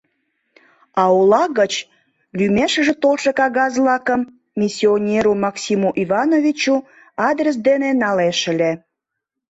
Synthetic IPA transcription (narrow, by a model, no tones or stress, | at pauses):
ɑolɑɣət͡ɕ | lymeʃə̆ʒĕt̪olʃekɑɣɑzlɑkəmːʲ | isʲionʲeɾumɑksimuʔivɑnovʲit͡ɕu | ɑd̪rəs̬d̪enenɑleʃə̆le